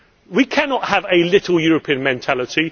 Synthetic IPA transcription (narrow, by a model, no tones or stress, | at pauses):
wikʰanɒʔhəvəlɪtˡl̩ˠjɔːɹəpʰĩə̃nmɛ̃ntʰalɪti